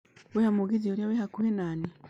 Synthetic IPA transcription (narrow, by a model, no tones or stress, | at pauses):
wehamuɡizioɾjawehakuhenaːni